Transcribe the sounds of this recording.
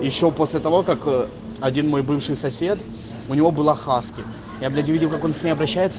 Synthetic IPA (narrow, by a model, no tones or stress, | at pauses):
jɪɕːo̞po̞sʲlʲɪt̪ɐvo̞kak | ɐdʲinmo̞jbɨfʂɨjsɐsʲe̞t̪ | ʊnʲɪvo̞bɨlˠaxaskʲɪ | jablʲædʲɪvʲidʲɪlˠkako̞nsʲnʲejɐbɾɐɕːæjɪt̪sə